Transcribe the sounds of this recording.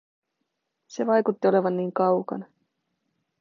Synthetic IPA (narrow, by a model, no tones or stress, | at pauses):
se̞ʋɑjkut̪ːio̞le̞ʋɑnːiːŋkɑwkɑ̰nɑ